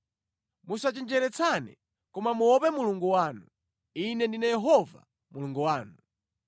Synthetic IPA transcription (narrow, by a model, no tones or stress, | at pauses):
musat͡ʃɛnd͡ʒɛɾɛt͡sʰanɛ̰ | kɔmamuwɔpɛmuluŋɡuwaːnu | inɛndinɛjɛɦɔva̰ | muluŋɡuwaːnu